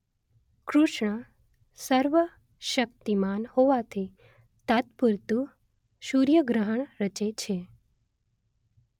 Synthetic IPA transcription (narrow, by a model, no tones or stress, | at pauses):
kɾuʃɳə | səɾʋə | ʃək̚t̪imanhoʋat̪ʰi | t̪at̪puɾt̪u | ʃuɾjəɡɾəɦəɳɾət͡ʃet͡ʃʰe